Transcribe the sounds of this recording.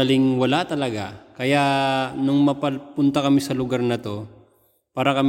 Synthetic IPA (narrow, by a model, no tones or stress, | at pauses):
ɐlɪŋwɐlat̪ɐlɐɡakɐjaʔnʊŋmɐpɐlpʊnt̪ɐkɐmɪsɐlʊɡaɾnɐt̪o̞ | paːɾɐkɐm